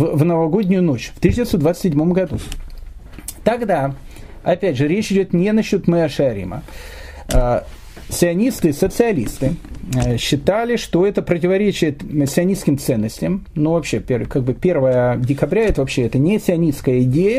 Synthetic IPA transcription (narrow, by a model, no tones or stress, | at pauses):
vvnəvɐɡo̞dʲnʲʊjʊnot͡ɕft̪ɨiɕd̪ʲvʲt̪sod̪vat̪sə̥sʲɪdʲmo̞mɡɐd̪u | t̪ɐɡd̪a | ɐpʲædʲʐɨɾʲet͡ɕɪdʲot̪nʲenɐɕːut̪mɛɐʂɨɐɾʲḭmə̰ | sʲɪɐnʲist̪ɨsət̪sɨɐlʲḭst̪ɨɕːɪt̪alʲɪʂt̪o̞ɛt̪əpɾətʲɪvɐɾʲet͡ɕɪjɪt̪sʲɪɐnʲiskʲɪmt̪sɛnːəsʲtʲɪjəmnovɐpɕːepʲekaɡ̚bɨpʲe̞rvəjədʲɪkɐbɾʲaɛt̪əvɐpɕːeɛt̪ənʲesʲɪɐnʲiskəjəɪdʲejə